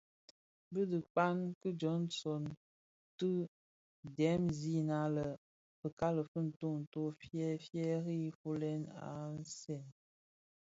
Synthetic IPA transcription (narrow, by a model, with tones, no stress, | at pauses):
bə˦də˨k͡pa˦nkə˦d͡ʒɔ˨˦nsɔ˨n | tɨ˦ | dɛ˨˦mzi˦na˦lə˨ | pə˨ka˦lə˨fə˦n̩˨to˦n̩˨to˦fjɛ˦fjɛ˦ɾi˦fu˦lɛ˦na̰˨n˦sɛ˦˨n